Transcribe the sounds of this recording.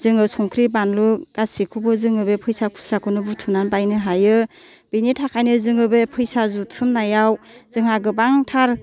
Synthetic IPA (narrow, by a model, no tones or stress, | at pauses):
z̥ɯŋɯsɔŋkʰɾibanluɡ̥asikʰubɯzɯŋɯbepʰɯjsakʰu̥sɾakʰɯnɯbutʰɯnanbajnɯɦajɯ | binitʰakʰajnɯzɯŋɯbepʰɯjsazutʰɯmnajawzɯŋhaɡɯbaŋtʰaɾ